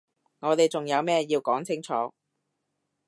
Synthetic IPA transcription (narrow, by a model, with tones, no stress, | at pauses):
ŋɔː˨˧t̪e˨jt͡sʊ˨ŋjɐ˨˧wmɛː˥jiː˧wkɔː˨˥ŋt͡sʰɪ˥ŋt͡sʰɔː˨˥